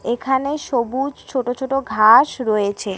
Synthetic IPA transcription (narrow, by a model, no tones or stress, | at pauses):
ekʰaneʃobud͡ʑt͡ɕʰoʈot͡ɕʰoʈoɡʱaʃɾoet͡ɕʰe